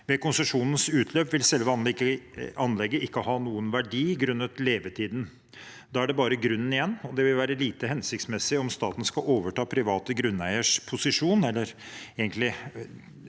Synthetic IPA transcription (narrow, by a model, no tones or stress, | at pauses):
ʋɛkʰʊnsəʂuːnənsʉːt̪ʰløːpʋɪlsɛlʋəɑnəɑnlɛɡːəɪkːəhɑːnuːənʋæɖiːɡɾʉnːət̪leːʋət̪ʰiːd̪n | d̪ɑːæɖɛbɑːɾəɡɾʉnːn̩ɪjɛnːɔd̪ɛʋɪlʋæːɾəliːt̪əɦɛnsɪk̚t̪smɛsːɪɔmst̪ɑ̰ːt̪n̩skɑʔoːʋəʈɑːpʰɾɪʋɑːt̪əɡɾʉnːæɪəʂpʰʊsɪʂuːnɛlːəɾeːɡənt̪lɪ